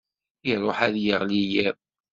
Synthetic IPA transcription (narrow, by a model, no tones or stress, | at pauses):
iɾˤoħæðjəʁlijæ